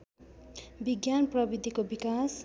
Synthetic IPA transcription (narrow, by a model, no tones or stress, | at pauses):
biɡjanprʌbid̪ʱikobikas